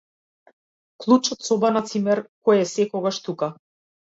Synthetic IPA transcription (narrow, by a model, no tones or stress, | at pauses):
klˠut͡ʃɔt̪sɔbanat̪simɛɾkɔjɛsɛkɔɡaʃt̪uka